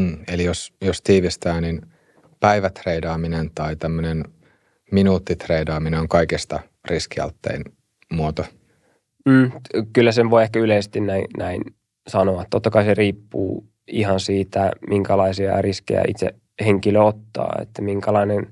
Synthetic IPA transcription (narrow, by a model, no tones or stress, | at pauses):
elijosjost̪iːʋist̪æːnin | pæiʋæt̪reidɑːminent̪ɑit̪æmːønen | minuːt̪ːit̪reidɑːmineoŋkɑikist̪ɑ | riskiɑ̰lt̪ːḛin | muot̪o | m̩ːkylːæseʋʋoiehkæyleise̥st̪innæinnæin | sɑnoɑt̪t̪ːot̪ːɑkɑiseriːpːṵː | ihɑnsiːt̪æmiŋkælɑisiɑ̰riskḛjæ̰ḭt̪sḛ | heŋkiløot̪ːɑ̰ːḛt̪ːæmiŋkælɑinen